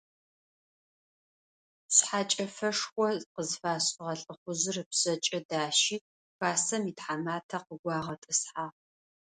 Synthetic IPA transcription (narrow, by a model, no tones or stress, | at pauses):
ɕħaːt͡ʃʼɐfɐʂxʷɔqəzfaːɕʼɪʁɐɬʼɨχʷʊzɨrɨpsɐt͡ʃʼɐdaːʃiː | b̥aːsɐmiːtħamaːtʰɐqəɡʷɑːʁɐtʼɨsħaː